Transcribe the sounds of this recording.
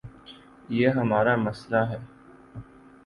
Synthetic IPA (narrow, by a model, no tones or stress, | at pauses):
jeːɦɐmaːɾamɐslaɦɛː